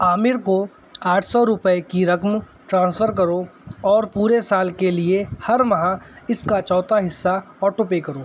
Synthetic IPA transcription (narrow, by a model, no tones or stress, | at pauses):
aːmɪɾko | aːʈʰsɔɾʊpəekiɾɐkm | ʈɾãːnsfʰəɾk̬ɐɾoɔːɾpuːɾesaːlkeliehɐɾmɐɦãɪskat͡ʃɔːt̪aɦɪsːa | ɔːʈopeːkɐɾoː